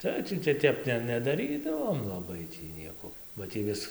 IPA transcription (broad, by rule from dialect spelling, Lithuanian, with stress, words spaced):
ˈtɐɪ tʲiː tɐɪ ˈtʲɛp nʲɛ nʲɛdɐˈrʲiːdɐʋoːm lˠɐˈbɐɪ ˈtʲiː ˈnʲiɛkoː bɐ ˈtʲiː ʋʲɪs